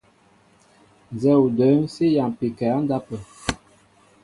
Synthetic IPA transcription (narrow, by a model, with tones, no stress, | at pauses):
n˨zɛ˦u˨də˨˦n˦si˦ja˨pi˨kɛ˨a˦n˦da˦pə˨